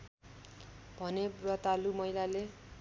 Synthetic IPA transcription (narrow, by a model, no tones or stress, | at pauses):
bʱʌnerʌt̪alumʌjlale